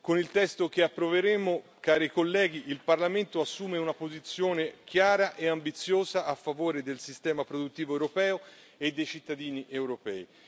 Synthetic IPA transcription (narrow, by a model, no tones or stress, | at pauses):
konilt̪ɛst̪okeapːɾoveɾemo | kaːɾikolːɛːɡ̟iʔilparlament̪oasːuːmeunapozit̪sːjoːnek̟ʰjaːɾaʔeambit̪sːjoːzaʔafːavoːɾed̪elsist̪ɛːmapɾod̪ut̪ːiːvoewɾopɛːo | ed̪ːejt͡ʃit̪ːad̪iːniʔewɾopɛ̰ːi